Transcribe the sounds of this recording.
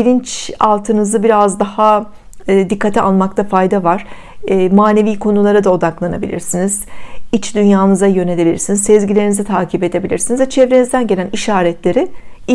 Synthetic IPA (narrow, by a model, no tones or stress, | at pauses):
bilʲint͡ʃa̰lˠt̪ʰɯnɯzɯbiɾazd̪aha | d̪ikːat̪ʰia̰lˠmakt̪ʰafajd̪avaɾ̥ː | maːne̞viːkʰo̞nulˠaɾɯd̪ao̞d̪aklˠanabilʲḭɾsiniz̥it͡ʃd̪ynjaːnɯzajø̞ne̞lʲe̞bilʲḭɾsinizsɛzɟilʲe̞ɾinizɛt̪ʰaːcʰipe̞d̪e̞bilʲiɾsinizvɛt͡ʃʰɛvɾe̞nizd̪ænɟeæniʃaːɾɛt̪lʲe̞ɾɪi